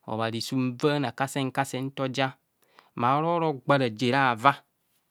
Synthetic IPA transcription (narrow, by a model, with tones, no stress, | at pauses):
ɔ̰˨βa˨ɾi˨su˦m̩˦va˦na˨ka˦se˦ŋ˦ka˦sɛ˦n̩˦tɔ˦d͡ʒa˦ | ma˨˦ɾɔ˦ɾɔ˦ɡ͡ba˦ɾa˨d͡ʒe˨ɾa˦˨va˦